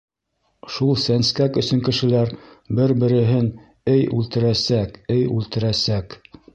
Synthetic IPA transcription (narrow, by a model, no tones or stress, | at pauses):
ʃulˠsænskækɵ̆sɵ̆ŋkɘ̆ʃɘ̆læɾbɘɾbɘ̆ɾɘ̆ɦɘn | ɘjʉlt̪ɘ̆ɾæsækɘjʉlt̪ɘ̆ɾæsæk